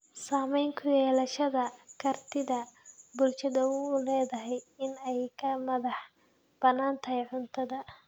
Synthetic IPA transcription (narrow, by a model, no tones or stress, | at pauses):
saːmɛjŋkʰʊjɛːlɐʃɐðɐkʰɐrt̪ʰɪðɐbʊlʃɐðɐwlɛːðɐɦɛjɪnɛjkʰɐmɐðɑħ | b̥ɐnːaːnt̪ʰɐɦɛjʕʊnt̪ʰɐðɐ